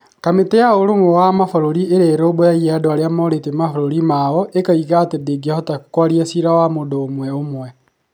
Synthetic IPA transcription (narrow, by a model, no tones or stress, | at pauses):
kametejaoɾomowamafoɾoɾieɾeːɾeobojaiadoaɾeamɔɾetemafoɾoɾimawɔʔekaiɣaːtendeɡiahɔtakkwaɾiɛsiɾawamondoːmwɛomwɛ